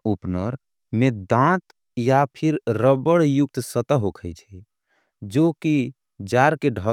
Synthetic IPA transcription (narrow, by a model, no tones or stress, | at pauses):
upnəɾ | med̪ãt̪ | japʰiɾɾəbəɽjuk̚t̪sət̪əɦokʰəjt͡ʃʰɛ | d͡ʒoki | d͡ʒaɾkeɖʱə